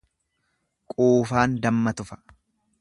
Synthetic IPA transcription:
kʼoːfaːnd̪ɐmːɐt̪ʊfɐ̥

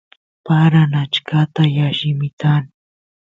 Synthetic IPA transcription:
paɾanat͡ʃkat̪ajaʃɪmɪk̪an

